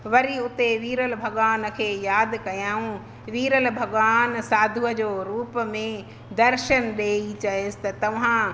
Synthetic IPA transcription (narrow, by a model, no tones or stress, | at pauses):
ʋɐɾiʊt̪eʋiːɾəlbʱɐɠʋaːn̆kʰeːjaːd̪kɐjaːũ | ʋiːɾəlbʱɐɠʋaːnsaːd̪ʱuəd͡ʑoːɾuːpmẽ | d̪ɐɾʃənɗeːit͡ɕɐɦesɪ̥t̪ɐt̪ɐʋ̤ã